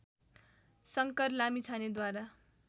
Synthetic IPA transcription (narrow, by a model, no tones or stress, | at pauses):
sʌŋkʌrlamit͡sʰaned̪waɾa